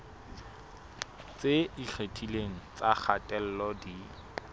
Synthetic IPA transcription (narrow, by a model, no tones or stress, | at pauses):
t͡seik͡xʰetʰileŋ̩t͡sak͡xʰatʼɛl̩lɔdi